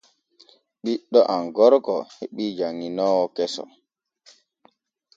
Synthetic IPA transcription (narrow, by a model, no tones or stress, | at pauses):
ɓiɗːɔʔaŋɡɔɾkɔheɓid͡ʒaŋːinɔwɔkɛsɔ̰